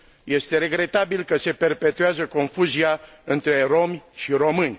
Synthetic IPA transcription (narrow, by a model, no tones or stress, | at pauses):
je̞st̪e̞ɾe̞ɡɾe̞t̪abilkəse̞pe̞rpe̞t̪uazəko̞nfuzia | ɨnt̪ɾe̞ro̞mʲʃiɾo̞mɨnʲ